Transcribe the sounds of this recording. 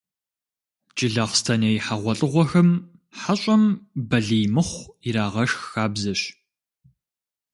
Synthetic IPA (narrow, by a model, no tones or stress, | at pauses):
t͡ʃʼɪɮɐχstʰɐnejħaʁʷɔɬʼɨʁʷɔxɐm | ħaɕʼɐmbɐɮijmɨχʷiɾaːʁɐʃxxaːbzɐɕ